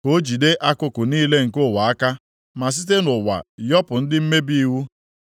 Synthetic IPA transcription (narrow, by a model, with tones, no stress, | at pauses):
ko˦d͡ʒi˨de˦ʔa˦kʊ˦kʊ˨niː˦le˦ŋ̩˨kʊ˦˨wa˨a˦ka˦ | ma˨s̬i˦t̬e˦nʊ˨wa̰˨jɔ˦pʊ˨n̩˦dɪ˦m̩˦me˦bi˦i˦wu˦